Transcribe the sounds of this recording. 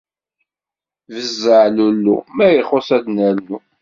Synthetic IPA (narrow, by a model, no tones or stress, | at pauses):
vəzːəʕlulːṵmæjəχosæd̪nəɾnu